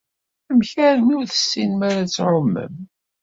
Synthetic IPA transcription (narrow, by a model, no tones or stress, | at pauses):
æmçæɾmiɾθə̥sːinmaɾat͡sːʕomːə̰m